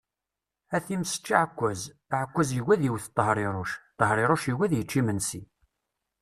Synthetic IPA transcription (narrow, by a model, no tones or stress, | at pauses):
æθimsə̥t͡ʃːiʕkʷːæz | ʕəkʷːæzjəwæðjiwθt̪ˤːəɦɾˤɪɾˤʊʃt̪ˤːəɦɾˤeɾˤoʃiwæðjət͡ʃːimənsi